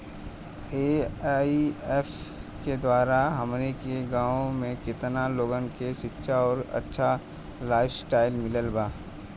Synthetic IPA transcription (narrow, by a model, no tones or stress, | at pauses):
eːieːfked̪waːɾaɦɐmnekeɡãːõmẽkɪt̪naloːɡənkeʃɪtːʃʰaɔːɾɐ̰tːʃʰa | laːɪfsʈaːɪlmɪləlbaː